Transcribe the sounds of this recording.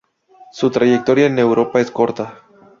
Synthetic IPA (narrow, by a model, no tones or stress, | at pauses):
sut̪ɾajek̚t̪o̞ɾiane̞wɾʔo̞paesko̞ɾt̪a